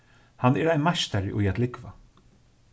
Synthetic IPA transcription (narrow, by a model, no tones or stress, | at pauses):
hanːɛːɾajnmaʃt̪aɾɪʔʊjat̪lɪkva